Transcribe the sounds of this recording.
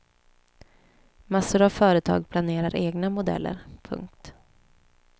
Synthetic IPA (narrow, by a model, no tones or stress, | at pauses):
masːʊɾavfœːɾət̪ʰɑ̰ːɡ̚pʰlaneːɾaɾʔeːɡnamʊd̪ɛ̰lːə̰ɾpʰɵ̰ŋk̚t̪